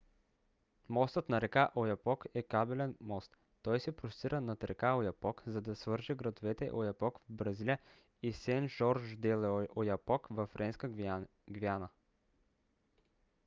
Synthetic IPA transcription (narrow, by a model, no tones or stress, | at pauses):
mɔst̪ət̪nɐɾɛkaʔojɐpɔkɛkabɛlɛnmɔst̪ːɔjsɛpɾosiɾənɐt̪ɾɛkaojɐpɔkzɐd̪ɐsvɤɾʒiɡɾɐd̪ovɛt̪ɛ̰ʔojɐpɔkvbɾɐzilʲjə | isɛnʒɔɾʒd̪ɛlojɐpɔkvɐfɾɛnskə | ɡvjanə